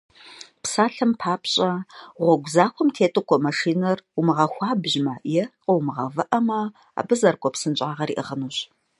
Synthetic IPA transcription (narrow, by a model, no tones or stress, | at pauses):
psaːɬɐmpʰaːpʰɕʼɐʁʷɔɡʷzaːxʷɔmtʰeːtʼɨkʷʰʼɔmaʂiːnɐrumɨʁɐxʷɑːbʑmajɛqʼəwmɨʁɐvɐʔɐmɐ | a̰ːbɨzɐrkʷʼɔpsɨnɕʼaːʁɐɾḭːʔɨʁənuːɕ